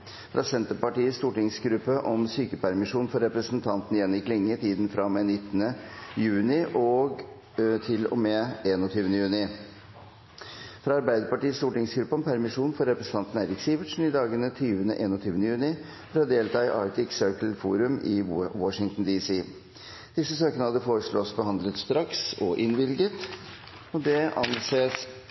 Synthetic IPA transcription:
fɾʔɑ̰sɛnt̪əɾpɑʈiːəst̪uːʈɪŋsɡɾʉpːəʔɔmsyːkəpʰæɾmɪʂuːnfɔɾɾɛpɾəsnt̪ʰɑnt̪nɪjɛnjɪklɪŋːət̪ʰiːd̪n̩fɾɑmɛnɪt̪ːənəjʉːnɪʔɔɡ | t̪ʰɪlɔ̰mɛeːnɔt̪ʰyːʋənəjʉːnɪ | fɾɑɑɾbæɪd̪əɾpɑʈiːst̪uːʈɪŋsɡɾʉpːɑnpʰæɾmɪʂuːnfɔɾːɛpɾəsənt̪ʰɑnt̪n̩eɪɾɪksiʋɪʈʂn̩ɪd̪ɑːɡənət̪ʰyːʋənə̰ʔeːnɔt̪ʰyːʋənəjʉːnɪ | fɾɑd̪eːlt̪ʰɑːɪʔɑ̰ːɾt̪ɪksøːkəlfṵːɾʉmɪwɔʂɪŋt̪n̩d̪iːsiː | d̪̥ɪsːəsøːkənəhɑd̪əfoːɾəʂɭɔsbəhɑnd̪lət̪st̪ɾɑksɔʔɪnʋɪlɡət̪ | ɔd̪ɛʔɑ̰nseːs

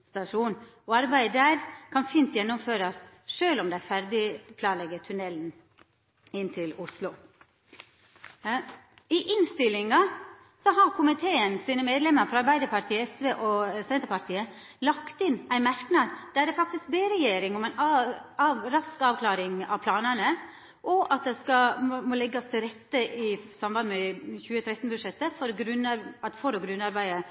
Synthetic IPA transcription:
st̪ɑʂuːn | ɔɑɾbæɪd̪əɾkʰɑnfiːnt̪jɛnːʊmføːɾɑsʂøːlɔmd̪ææfæɾd̪ɪpʰlɑːnlɛɡət̪ʰʉnɛln̩ | ɪnt̪ʰɪlʊslʊ | ɪʔɪnst̪ɪlɪŋɑ | sɔɦɑɾkʰʊmɪt̪ʰeːənsiːnəmeːd̪lɛmːəɾfɾɑɑɾbæɪd̪əɾpʰɑɾt̪ʰiːəɛsʋeːʔɔsɛnt̪əɾpɑɾt̪ʰiːə | lɑkt̪ɪnːæɪmæɾknɑd̪d̪̥æd̪ɛfɑk̚t̪ɪsk̚beːɾɛjeːɾɪŋɔmæɪnɑʋɾɑskɑːʋkʰlɑːɾɪŋɑ̰ʋpʰlɑːnənə | ʔɔʔɑt̪̚d̪ɛskɑmoːlɛɡːɑst̪ʰɪlɾɛt̪ːəʔɪsɑmbɑnd̪mɛçʉːət̪ʰɾɛt̪n̩bʉd̪ʂɛt̪ːəfɔɾɡɾʉnɑt̪fɔɾɔɡɾʉnːɑɾbæɪə

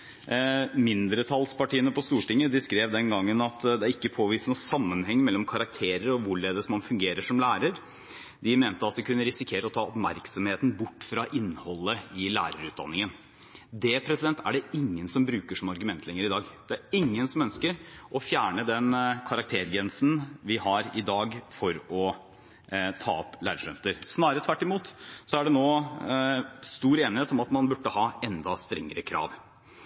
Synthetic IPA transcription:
mɪnd̪ɾət̪ʰɑlspɑʈiːənəpɔst̪uːʈɪŋːəd̪ɪskɾeːʋd̪ɛnɡɑŋːənɑt̪d̪ɛæɾɪkːəpʰoːʋiːsnuːsɑmːənhɛŋːmɛlːɔmkʰɑɾɑk̚t̪ʰeːɾəɾɔʋʊɭeːd̪əsmɑnfʉŋɡeːɾəʂɔmlæːɾəɾ | d̪ɪmeːnt̪əɑt̪̚d̪ɛkʉnːəɾɪsɪkʰeːɾəɔt̪ʰɑːɔpmæɾksɔmheːt̪n̩bʊʈːfɾɑʔɪnːhɔlːəɪlæ̰ːɾəɾʉːt̪̚d̪ɑ̰nːɪŋən | d̪ɛpʰɾɛsɪd̪ɛnt̪ʰæ̰ɖɛɪŋːənsɔmbɾʉːkəʂɔmɑɾɡʉmɛnt̪ʰlɛŋːəɾɪd̪ɑːɡd̪ɛæɾɪŋːənsɔmœnskəɾʔɔfjæːɳəd̪ɛnkʰɑɾɑk̚t̪ʰeːɾɡɛnsn̩ʋɪhɑɾɪd̪ɑːɡfɔɾɔ | t̪ʰɑ̰ːɔplæ̰ːɾʂœ̰nt̪əɾsnɑːɾəət̪ʰʋæʈːɪmuːt̪sɔæɖɛnoː | st̪uːɾeːnɪheːt̪ɔmɑt̪mɑnbʉʈːəhɑːɛnd̪ɑst̪ɾɛŋːəɾəkʰɾɑ̰ːʋ

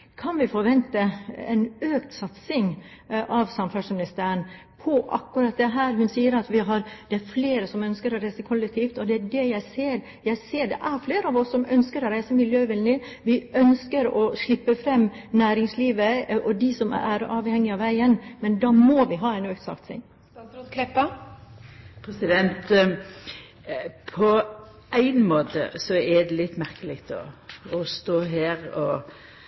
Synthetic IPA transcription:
kʰɑnʋɪfɔɾʋɛnt̪əɛ̰ɪnøːkt̪sɑt̪sɪŋʔɑʋsɑmfæʂmɪnɪst̪æːɾən | pʰɔʔɑ̰kːʉɾɑt̪̚d̪ɛɦæːɾhʉnsiːəɾɑt̪ʋɪɦɑɾd̪̥ɛæɾfleːɾəsɔmœnskəɾɔɾæɪsəkʰɔlːɛk̚t̪ʰiːft̪ɔd̪ɛæɖɛjæɪseːɾ | jæɪseːɖ̪ɛ̰ʔæɾfleːɾəɑʋɔsːɔmœnskəɾɔɾæɪsəmɪljøːʋɪlnɪʋɪœnskəɾɔʂɭɪpːəfɾɛmːnæːɾɪŋsliːʋəʔɔd̪ɪsɔmæɾɑːʋhɛŋːɪɑʋæɪənmɛnd̪ɑːmɔʋɪɦɑːæɪnøːkt̪sɑ̰kt̪sɪ̰ŋ | kʰlɛpːɑ | pʰɾɛsɪd̪ɛnt̪ | pʰɔ | ʔæɪnmoːt̪ə̰sɔɛd̪ɛlɪt̪ːmæɾkəlɪkt̪ʰɔ̰ɔst̪oːɦæːɾɔ

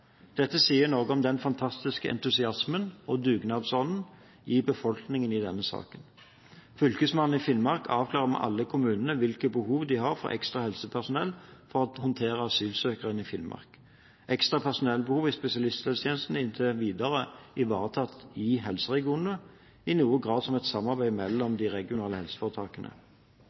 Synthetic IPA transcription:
d̪̥ɛt̪ːəsiːənɔʁɡəɔmd̪ɛnfɑnt̪ʰɑst̪ɪskəʔɛ̰nt̪ʉsɪɑsmənɔd̪ʉːɡnɑːd̪sɔnn̩ | ɪbəfɔlknɪŋənɪd̪ɛnːəsɑ̰ːkən | fʏlkəsmɑnːn̩ɪfɪlmɑʁkʰɑːʋkʰlɑːʁəmɛ̰ʔɑ̰lːəkʰʊmʉːnənəʋɪlkəbəhuːʋd̪ɪhɑʁfɔ̰ʔɛ̰kst̪ʁɑhɛlsəpʰæʁsʊnɛlːfɔʁɑt̪hɔnt̪ʰeːʁəɑsyːlsøːkəʁənɪfɪnmɑ̰ʁk | ʔɛkst̪ʁɑpʰæʁsʊnɛlːbəhuːʋɪspɛsɪɑlɪst̪lɛlst̪ʰjeːnəst̪n̩ɪnt̪ʰəʋiːd̪ɑʁəɪʋɑːʁət̪ʰɑt̪ʰːɪɦɛlsəʁɛɡɪuːnə | ɪnuːəɡʁɑːd̪sɔmɛt̪sɑmɑʁbæɪmɛlːɔmd̪ɪʁɛɡɪʊnɑːləhɛlsə̥fɔʁət̪ʰɑːkənʔə̰

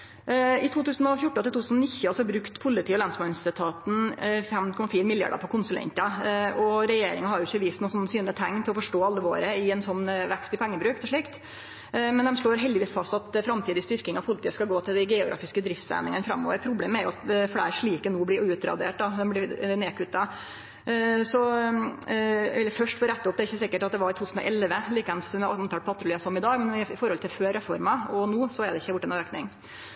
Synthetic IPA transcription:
ɪt̪ʰuːt̪ʉːsnɔfjʊʈːəɪluːʉːsnɔnɪçəɑlsɔbɾʉkt̪pʰʊlːɪt̪iːɔlɑnsmɑɪnɪsət̪ʰɑːt̪n̩fɛmkʰɔmːɑfiːɾmɪlɪjɑ̰ɖə̰pʰɔkʰʊnsʉlɛ̰nt̪əɔɾɛjeːɾɪ̰ŋəhɑɾjʊɪçːəʋiːst̪nuːsɔnːsyːnət̪ʰæŋːt̪ʰɪlɔfɔʂʈoːɑlːəʋo̰ːɾəɪɛnsɔnːʋɛkst̪ɪpʰɛŋːəbɾʉːkt̪ʰɛʂɭiːkt̪ | mɛnd̪ɛmʂɭoːɾɦɛld̪ɪʋiːsfɑst̪ɑt̪fɾɑmt̪ʰiːd̪ɪst̪ʏɾkɪŋɑʋpʰʊlɪt̪ʰiːəskɑɡoːt̪ʰɪld̪æɡɛʊɡɾɑ̰ːfɪskəd̪ɾɪft̪sæ̰ːnɪŋənəfɾɑ̰mːɔ̰ːʋəɾpʰɾʊbleːməæɾjʊɑt̪̚fɽæ̰ːɾʂɭiːkənuːblɪɾʉːt̪ɾɑ̰d̪ḛːʈd̪ɑd̪ɛmblɪneːkʰʉt̪ːɑ | sɔ | ʋɪlːəɾfœʂʈfɾɛt̪ːəɔp̪̚ɛɾɪçːəsɪkːəʈɑt̪̚d̪ɛʋɑɾɪt̪ʰuːʉːsn̩ɔ̰ʔɛlʋəliːkɑnsmɛnt̪ʰɑːlpʰɑt̪ːɾʊliːɑsɔmɪd̪ɑːɡmɛnnɪɪfɔɾhɔlt̪ɪlføːɾɛfɔɾmɑɔnuːsɔæɖɛɪçːəjʊʈːɛnɾøːknɪŋ

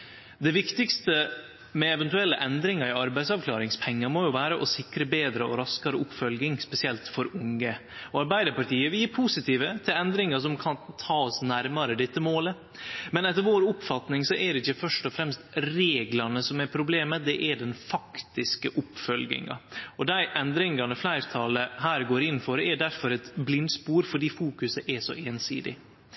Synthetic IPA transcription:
d̪ɛʋɪkt̪ɪkst̪ə | mɛɛʋɛnt̪ʉɛlːəʔɛnd̪ɾɪŋɑɾɪɑɾbæɪsɑʋkʰlɑːɾɪŋspʰɛŋːəɾmojʊʋæːɾəʔɔsɪkɾəbeːd̪ɾəɔɾɑskɑɾəʔʊpːfœlɡɪŋspɛsɪɛlt̪fɔɾʊŋəɔɑɾbæɪd̪əɾpɑʈiːəʋɪljiːɾpʰusɪt̪ʰiːʋət̪ʰɪlɛnd̪ɾɪŋəʂɔmkʰɑnt̪ʰɑːɔsnæɾmɑɾəd̪ɛt̪ːəmoːlə | mɛnɛt̪ːəɾʋoːɾʊpfɑt̪nɪŋsɔʔɛdɛɪçːəfœʂʈɔfɾɛmst̪ɾeːɡlɑnəsɔmɛɾpʰɾʊbleːməd̪ɛʔɛɖɛnfɑkt̪ɪskəʔʊpfœlɡɪ̰ŋɑ̰ɔd̪æɪʔɛnd̪ɾɪŋɑnəflæɪɾt̪ʰɑːləɦæːɾɡoːɾɪnn̩fɔɾɛɖ̪æɾfɔɾɛt̪blɪnd̪spuːɾfɔɖiːfuːkʉsəʔɛʂɔ̰ʔeːnsḭːd̪ɪ̰

